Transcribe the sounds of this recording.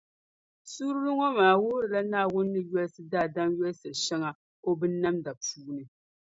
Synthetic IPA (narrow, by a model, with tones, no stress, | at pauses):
su˦ɾɨ˦lɨ˦ŋɔ˦maː˨wʊ˦ɾɨ˨la˦naː˦˨wʊ˦nː˦ɨ˦jɛ˦lsɨ˦daː˦˨da˦mjɛ˦lsɨ˨ʃɛ˦ŋa˨ | ko˦bɨ˦nː˦a˦mda˨puː˦nɨ˨